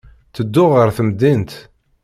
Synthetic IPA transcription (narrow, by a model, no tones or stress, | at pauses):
θəd̪ːʊʁəɾθəmd̪int̪